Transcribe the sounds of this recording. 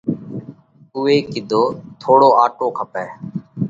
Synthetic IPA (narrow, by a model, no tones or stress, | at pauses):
ʊːeːkɪd̪ʱoːt̪ʰoːɽoːaːʈoːkʰəpɛː